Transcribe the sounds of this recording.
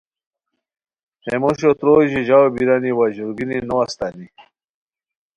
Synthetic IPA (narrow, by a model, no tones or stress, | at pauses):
hemoɕ̬ot̪ɾoʑiʑawbiɾaniwaʑuɾɡininowast̪ani